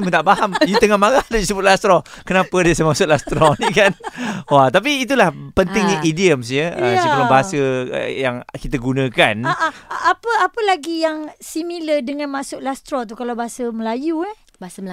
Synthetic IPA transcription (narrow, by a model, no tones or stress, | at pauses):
mə̃t̪aʔbaɦamjut̪əŋahmaɾahdadisəbʊt̪̚last̪ɾɔkənãpədiəsamasʊt̪ʔ̚last̪ɾɔnikanwat̪ap̬iːt̪̬ulahpənt̪ɪŋniʔidiəmsjəə̰siulabaɦasəə̰jaŋkit̪əɡunə̃kanaʔaʔapəapəlaɡijaŋsimilədəŋãnmãsʊʔlast̪ɾɔt̪̬ukalawbaɦasəməlajua